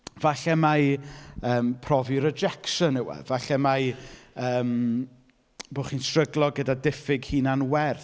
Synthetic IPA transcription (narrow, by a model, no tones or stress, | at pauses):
vaɬɛmajəːmpʰrɔviɾəd͡ʒɛkʃənəwɛ̰vaɬɛmajəːm | boːχiːnsrəɡlˠɔɡədadɪfɪɡhiːnanwɛrθ